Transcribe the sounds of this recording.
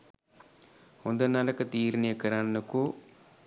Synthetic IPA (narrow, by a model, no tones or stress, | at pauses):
ond̪ɐnɐlɐkɐt̪iːɾɐnijɐkɐɾannɐku